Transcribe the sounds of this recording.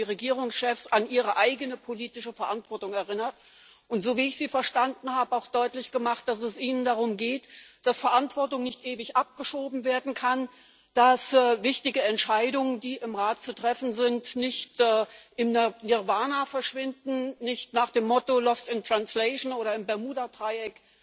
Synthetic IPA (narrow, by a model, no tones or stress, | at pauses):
iːʁeɡiːʁ̞ʊŋsʃɛfsanʔiːʁ̞əʔaɪɡənəpʰoliːtɪʃəfɛɐʔantv̥ɔɐtʊŋɛɐʁɪnɐt̚ | ʔʊntz̥oːviːɪçz̥iːfɛɐʃtandn̩haːbəaʊxd̥ɔʏtlɪçɡ̥əmaχt̚d̥as̬ɛsʔiːnəndaʁ̞ʊmɡeːtd̥asfɛɐʔantv̥ɔɐtʊŋnɪçtʔeːvɪçʔap̚ɡ̥əʃoːbm̩veːɐdn̩kʰan | d̥asːvɪçtɪɡəɛntʃaɪdʊŋəndiːʔɪmʁaːt̚t͡sutʁ̥ɛfn̩zɪntnɪçtɛːʔɪmnanɪʁvaːnafɛɐʃv̥ɪndn̩nɪçtnaːχd̥eːmːɔtolɔstɪntʁ̥anslɛɪʃnoːɾɐɪmbɛɐmuːdadʁ̥aɪɛk